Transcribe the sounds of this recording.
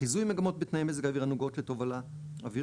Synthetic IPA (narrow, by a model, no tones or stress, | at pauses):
izujmeɡamo̞t̪̚bet̪najimezeɡaːviʁanuɡotleto̞vala | avi